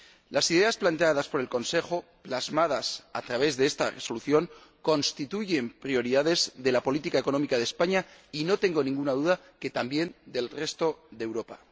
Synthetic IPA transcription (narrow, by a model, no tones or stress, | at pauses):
lasiðe̞asplant̪e̞aðaspo̞ɾelko̞nse̞xo̞plazmað̞asa̰t̪ɾaβ̞e̞zðe̞est̪a̰re̞so̞luθjo̞ŋ | ko̞nst̪it̪uʝe̞mpɾio̞ɾiðaðe̞zðe̞lapo̞lit̪ikaeko̞no̞mikaðespaɲaino̞t̪e̞ŋɡo̞nĩŋɡunaðuða | ke̞t̪ambje̞nd̪e̞lre̞st̪o̞ðewɾo̞pa